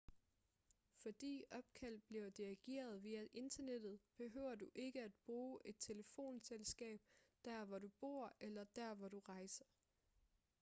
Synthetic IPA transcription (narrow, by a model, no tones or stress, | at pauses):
fɒ̽d̥ḭːɒ̽b̥̚kʰæl̰d̥̚b̥liɐd̥iɡ̥e̝̰ːɐð̞̩ˠʋiːæʔe̝nd̥ɐned̥ð̞̩ˠb̥e̝ɦøʊ̰ɐd̥uʔe̝ɡ̥əæd̥̚b̥ʁuːʔe̝d̥̚t͡sʰe̝ləfo̝̰ːnselsɡ̥ɛ̰ːb̥d̥æɐ̰ʋɒɾub̥o̝̰ːɐ̰elɐd̥æɐ̰ʋɒɾ̥uʁɑ̈ɪsɐ